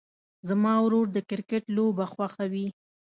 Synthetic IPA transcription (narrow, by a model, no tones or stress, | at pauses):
zamɑwɾoɾd̪əkɪɾkeʈlobaxwaxawi